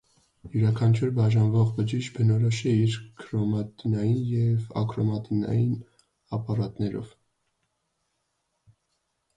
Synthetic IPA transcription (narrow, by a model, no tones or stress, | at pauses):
juɾɑkʰɑnt͡ʃʰuɾbɑʒɑnvɔʁbəd͡ʒiʃt͡ʃbənɔɾɔʃɛiɾkʰɾɔmɑt̪inɑjinjɛvɑ̰kɾɔmɑt̪inɑ̰jin | ɑpɑɾɑt̪nɛɾɔ̰v